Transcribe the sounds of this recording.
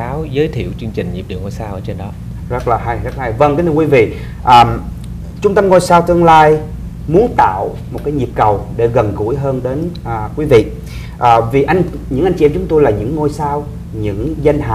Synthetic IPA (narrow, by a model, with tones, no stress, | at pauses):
aː˨˦wzəː˨˦jt̪ʰḭ˧˨əwt͡ɕɨ˧ŋt͡ɕï˨˩ŋ̟ɲi˨˩p̚ɗi˨əŋo˧jsaː˧wʔəː˧t͡ɕe˧nɗɔ˨˦ | zə˦˥laː˨˩ɦa˧jzə˦˥la˨ɦa˧jvə˧ŋk̟t̪ʰɨ˧kwi˨˦vḭ˧˨ | ʔəː˨˩m | t͡ɕʊ˧ŋ͡mt̪ə˧mŋo˧jsaː˧wt̪ɨ˧əŋlaː˧j | mu˨˦ənt̪a̰ː˧˨w | mo˨˩t̚kaː˨˦jɲi˨˩əp̚kə˨˩wɗe˧˩ɣə˨˩nɣṵ˧˩˥jɦəː˧nɗe˨˦nʔəː˨˩kwi˨˦vḭ˧˨ | ʔəː˨˩vi˨˩ʔa˧jŋɲɨ̰˧˥ŋʔa˧jŋ̟t͡ɕi˧˨ɛ˧mt͡ɕʊ˨˦ŋ͡mt̪o˧jlaː˨˩ɲɨ̰˧˥ŋːo˧jsaː˧w | ɲɨ̰˧˥ŋza˧jŋ̟ɦa̰ː˧˨